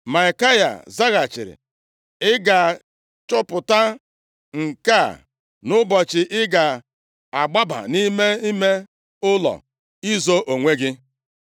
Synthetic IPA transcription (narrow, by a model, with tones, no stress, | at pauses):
ma˨i˨ka˦ja̰˨za˦ɣa˨t͡ʃɪ̰˨ɾɪ̰˨ | ɪ˦ɡa˨ | t͡ʃʊ˦pʊ˨ta˦ | ŋ̩˨ka˦˨ | nʊ˦bɔ˨t͡ʃɪ˨ʔɪ˦ɡa˨ | a˨ɡ͡ba˦ba̰˨ni˦me˦i˦me˦ | ʊ˦lɔ̰˨ | i˦zo˦ʔo˨ŋʷe˦ɡɪ˦